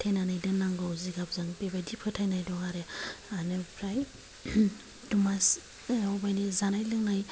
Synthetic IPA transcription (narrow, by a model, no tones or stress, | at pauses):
tʰejnanajdɯnːaŋɡawziɡap̚zaŋpebajdipʰɯtʰajnajdɔŋaɾeanɯpʰɾaj | dumas | ɔbajnizanajlɯŋnaj